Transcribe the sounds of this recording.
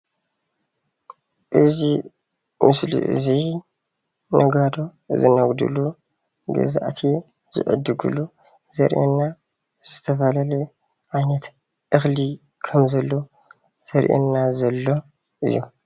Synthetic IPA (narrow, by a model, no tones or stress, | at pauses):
ʔɨzi | mɨslḭʔɨ̰zi | nʔɐɡad̪o̞ | zɨnɐɡd̪ṵlu | ɡɐ̰za̰ʔt̪ʰi | z̥ɨ̰ʔɨ̰d̪ɨɡṵlu | zɐ̰ɾʔḛnːa | z̥ɨt̪ʰɐfɐlalɛ | ʔajnɐt̪ | ʔɨxli | kʰɐmzɐlːo | z̥ɐɾʔḛnːazɐlːo̞ | ʔɨ̰jːu